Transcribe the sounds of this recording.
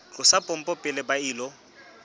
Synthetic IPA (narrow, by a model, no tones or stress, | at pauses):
t͡ɬʼʊsapʼɔm̩pʼɔpʼɪlɪbaiːlɔ